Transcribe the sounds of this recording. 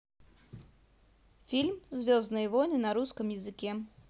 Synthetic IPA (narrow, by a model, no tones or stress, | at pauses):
fʲilʲmzvʲoznɨjvonʲɪnɐɾuskəmjɪzɨkʲɛ